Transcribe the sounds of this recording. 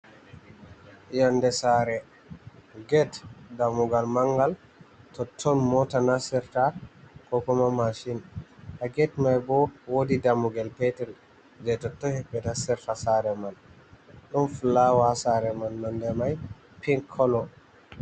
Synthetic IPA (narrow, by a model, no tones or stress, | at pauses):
jandɛsaɾɛ | ɡɛtdamuɡalmaŋɡal | tɔtʰːɔnmɔtanasɛɾtakɔkɔmamaʃinhaɡɛtmajbɔwodidamuɡalpɛtɛɾ | d͡ʒɛtɔtːɔhɛɓːɛtasɛɾtasaɾɛman | ɗunfulawasaɾɛmanːandɛmaj | piŋkʰːɔlɔ